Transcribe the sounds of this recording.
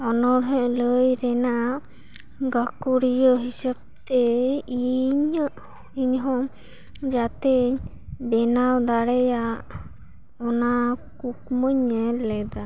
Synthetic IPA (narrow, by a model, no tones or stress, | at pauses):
ɔnɔɾɦɛ̃ʔləjɾɛnaʔʔ | ɡakuɾijɔɦisɛb̚t̪ɛiɲəʔ | iɲɦɔ | d͡ʒat̪ɛɲ | bɛnawd̪aɽɛjaʔ | ɔnakuk̚mɔɲɛlɛd̪a